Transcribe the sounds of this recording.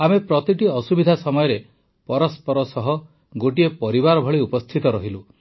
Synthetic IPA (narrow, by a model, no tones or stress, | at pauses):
amepɾɔt̪iʈiɔsubid̪ʱasɔmɔjɔɾe | pɔɾɔspɔɾɔsɔɦɔ | ɡoʈiepɔɾibaɾɔbʱɔɭiupɔst̪ʰit̪ɔɾɔɦilu